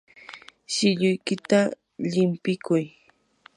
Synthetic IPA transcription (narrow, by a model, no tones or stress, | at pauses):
ʃɪʎʊjkɪt̪a | ʎɪmpɪkʊj